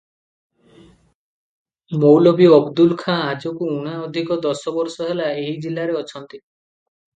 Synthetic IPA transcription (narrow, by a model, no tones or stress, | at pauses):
mowlɔbiɔbd̪ulkʰãad͡ʒɔkuuɽ̃aɔd̪ʱikɔd̪ɔsɔbɔɾsɔɦelaeɦid͡ʒilaɾeɔt͡ʃʰɔnt̪i